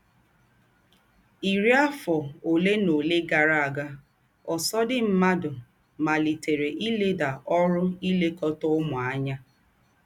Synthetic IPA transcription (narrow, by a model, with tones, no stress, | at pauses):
i˨ɾi˦a˦fɔ˨o˨le˦no˨le˦ɡa˨ɾa˦˨a˨ɡa˦ | ɔ˨sɔ˦dɪ˦m̩˦ma˦dʊ˨ | ma˨li˨te˨ɾe˨ʔi˦le˦da˨ʔɔ˦ɾʊ˦i˦le˦kɔ˦tɔ˦ʊ˦mʊ˨a˦ɲa˦